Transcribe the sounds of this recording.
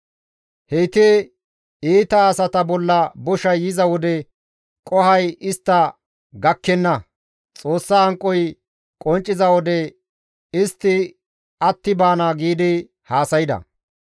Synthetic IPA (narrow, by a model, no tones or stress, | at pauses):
hejt̪eː | iːt̪ɐːsɐt̪ɐbɔlːɐbɔʃɐjjɪzɐwɔd̪ɛ | kʼɔhɐjɪst̪ːɐ | ɡɐkːɛnːɐ | t͡sʼo̞ːsːɐːŋkʼːɔj | kʼɔnt͡ʃʼːɪzɐwɔd̪ɛ | ɪst̪ːɪ | ɐt̪ːɪbaːnaɡiːd̪ɪ | haːsɐjɪd̪ɐ̰